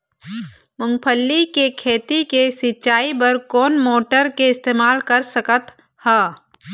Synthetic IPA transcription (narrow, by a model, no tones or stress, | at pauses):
mʊ̃ŋɡpʰəlːikekʰeːt̪ikesɪt͡ʃaːibɐɾkɔːnmoːʈəɾkeɪst̪eːmaːlkɐɾsəkət̪ | hɛː